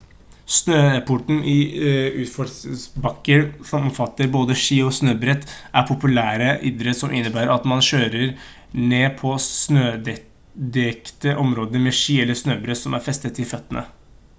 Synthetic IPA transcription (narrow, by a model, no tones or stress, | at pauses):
snøːpʰʊʈn̩ʔɪʉːt̪fɔsbɑkːəɾsɔmɔmfɑt̪ːəɾboːd̪əʂiːɔsnøːbɾɛt̪ːʔæɾpʰʊpʉlæːɾəʔɪd̪ɾəsɔmʔɪnːəbæːɾəɾɑt̪mɑnɕøːɾəɾ | neːpʰɔsnøːɛ | d̪ɛkt̪əʔɔmɾoːd̪əɾmɛʂiːɛlːəsnøːbɾɛt̪sɔmʔæɾfɛst̪ət̪ɪfœt̪ːənʔə̰